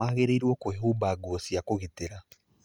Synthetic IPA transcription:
aːɣeɾeiɾwɔkoeɦubaːɡoːsiakoɣiteɾa

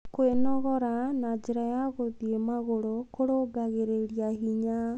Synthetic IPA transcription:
koenɔɣɔɾanad͡ʒeɾajaɣoðiemaɣoɾokoɾoɡaɣeɾeɾiaɦiɲa

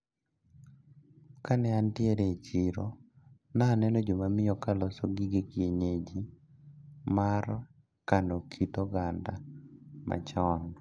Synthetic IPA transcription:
kanɛantɪɛɾet͡ʃiɾɔ̰ | naːnɛnɔd͡ʒomamɪjɔkalɔsɔɡiɡekieɲed͡ʒi | maɾɔ | kandokʰitɔɡandamʔa̰t͡ʃan

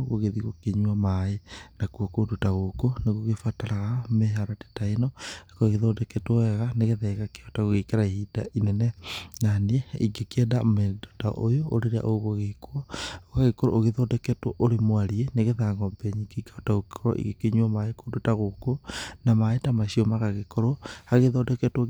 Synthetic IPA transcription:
ɣoɣeðiɣokeɲwɔmaenakuɔkodotaɣokoneɣoɣefataɾaɣameɦaɾate̥tainɔkaɣeðodɛkɛtoɛɣaneɣeðɛɣakeɔtaɣoɣekaɾaihidaʔinɛnɛnanieiɡekiɛdamedota̰ʔojooɾeɾea̰ʔoɣoɣekoɔoaɣekoɾo̰ʔoɣeðɔdɛkɛtoʔoɾemoaɾieneɣeðaŋɡɔbɛɲikeikaotaɣooɾo̰ʔḭɣekeɲwɔmaekodotaɣokonamaetamaʃiɔmaɣaɣekoɾohaɣeðɔdɛkɛto

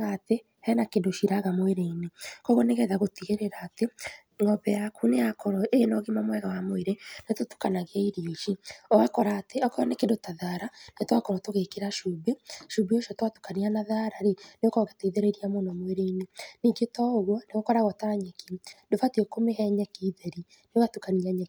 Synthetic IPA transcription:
ɣate | hɛnakendoʃiɾaɣamoeɾeinekɔɣɔneɣɛðaɣotiɣeɾeɾaːte | ŋɔβɛjakuneakɔɾɔeenɔɣimamwɛɣawamoeɾenetotu̥kanaɣaiɾioʃiɔakɔɾaːteɔkɔɔnekendotaðaɾanetwakɔŋɔtoɣekeɾaʃuːbeʃuːbeoʃɔtwatu̥kanianaðaɾaɾeneokɔɣatoiðeɾeɾiamonɔmoeɾeineniɡetɔɣwɔneɣokɔɾaɣɔtaɾaɲɛkidofatiekomehɛɲɛkiːðeɾi | neɣatukaniaɲɛ

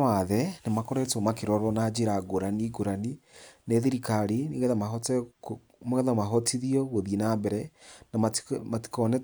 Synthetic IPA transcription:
aðɛnemakoɾɛtomakeɾɔɾɔnad͡ʒeɾaɡoɾaniɡoɾanineðiɾikaɾiniɣɛðamaɦɔtɛ | moɣɛðamaɦɔtʰiðiɔɣoðinambɛɾɛnamamati̥kɔnɛ

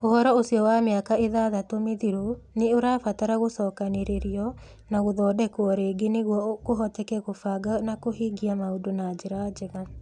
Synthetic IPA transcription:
ohɔɾɔosiɔwameakaʔeðaːðatomeðiɾo | neoɾaːfataɾaɣosɔːkaneɾeɾiɔ | naɣoðɔːdɛkoɔɾeːɡeneɣwɔɣoɦɔtɛkɛɣofaːɡanakoɦiːɡiamaodonad͡ʒeɾad͡ʒɛɣa

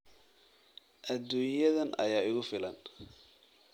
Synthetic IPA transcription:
ʔɐd̪ːuːnjɐðɐnʔɐ̰jaːɪɣʊfɪlɐn

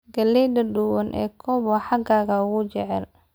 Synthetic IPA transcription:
ɡɐlɛd̪ɐɖuwɐnʔɛ̰ːkʰɔβɐħɑɡaːɣɐʊɣʊt͡ʃɛʕɛl

